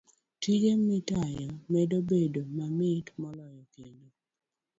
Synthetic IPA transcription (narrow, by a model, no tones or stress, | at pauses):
tiɡemitajɔmɛdobedomamɪtmɔlɔjɔkendo